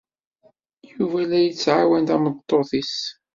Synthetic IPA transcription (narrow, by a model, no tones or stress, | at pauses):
juvælːæjət͡sːʕawænd̪æmət̪ˤːoθis